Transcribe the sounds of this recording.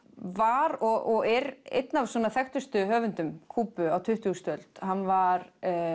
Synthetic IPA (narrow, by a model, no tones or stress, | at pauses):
vaɾɔɔɣɛɾḛjt̪navswɔːnaθɛxt̪ʏst̪ʏɦœːvʏnt̪ʏmkʰuːpʏawt̪ʰʏht̪ust̪œlt̪hanːvaɾ